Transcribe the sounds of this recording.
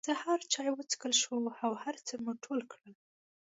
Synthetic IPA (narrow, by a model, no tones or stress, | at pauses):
z̥əhaɾt͡ʃɑjwət͡sə̥kəlʃwuawhaɾt͡səmuʈʰolkɽəl